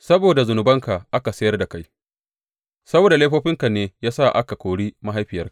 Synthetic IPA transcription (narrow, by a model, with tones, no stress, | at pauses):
sɐ˦boː˨da˨zʊ˨nʊ˨bɐ˦ŋka˨ʔa˦ka˨sɐ˦jɐ˦rda˨ka˦j | sɐ˦boː˨da˨leː˦ɸoː˦ɸɪ˦ŋka˨neː˦jaː˦sa˦˨ʔa˦ka˨kʷoː˨ɽiː˦ma˦ɦa˦jɸɪ˨jɐ˦rkḁ˨ʔ